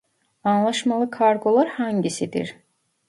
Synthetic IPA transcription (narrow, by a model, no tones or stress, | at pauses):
anlˠaʃmalˠɯkʰaɾɡo̞lˠaɾhaɲɟisid̪ḭɾ̥